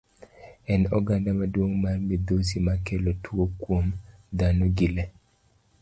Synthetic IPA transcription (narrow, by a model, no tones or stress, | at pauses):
ɛnɔɡandamadwoŋmarmid̪os̬imakɛlotʰwokwomd̪anoɡile